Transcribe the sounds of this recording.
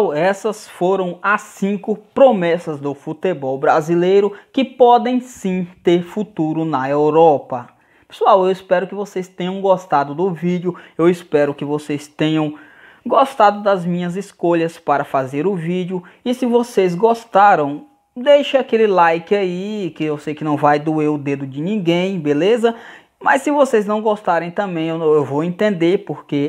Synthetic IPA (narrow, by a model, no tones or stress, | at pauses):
wɛsɐsfoɾɐ̃w̃ɐsĩkʊpɾomɛsɐzd̪ʊfut̪ebɔwbɾazilejɾʊkɪpɔd̪ẽj̃sĩt̪eɾfut̪uɾʊnɐewɾɔpɐ | pe̥suawewispɛɾʊkɪvosejst̪ẽɲɐ̃w̃ɡost̪ad̪ʊd̪ʊvid͡ʒjʊewispɛɾʊkɪvosest̪ẽɲɐ̃w̃ | ɡost̪ad̪ʊd̪ɐzmĩɲɐziskoʎɐspaɾɐfazeɾʊvid͡ʒiʊ | ɪsɪvosezɡost̪aɾɐ̃w̃ | d̪ejʃakelɪlajkɪaikɪewsejkɪnɐ̃w̃vajd̪ʊeʊd̪ed̪ʊd͡ʒɪnĩɡẽj̃belezɐ | mɐssɪvosejznɐ̃w̃ɡost̪aɾẽj̃t̪ɐ̃mbẽj̃ewewvowẽnt̪ẽnd̪eɾpoɾke